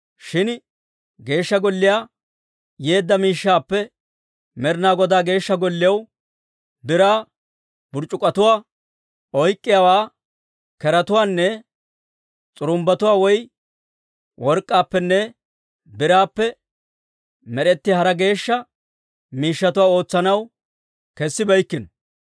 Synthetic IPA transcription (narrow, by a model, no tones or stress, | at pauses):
ʃɪn | ɡe̞ːʃːɐɡɔlːɪjaː | jeːd̪ːɐmiːʃːaːpːɛ | mɛɾnaːɡɔd̪aːɡe̞ːʃːɐɡɔlːɪjɐw | bɪɾaː | bʊɾt͡ʃʼːʊkʼːɐt̪ʊwaː | ɔjkʼːɪjaːwaː | kɛɾɐt̪ʊwaːnːɛ | t͡sʼʊɾʊmbɐt̪ʊwaːwɔj | wʔɔɾkʼːaːpːɛnːɛ | bɪɾaːpːɛ | mɛɾɛt̪ːɪhɐɾɐɡe̞ːʃːɐ | miːʃːɐt̪ʊwaːo̞ːt͡sːɐnɐw | kɛsːɪbɐjkːɪnɔ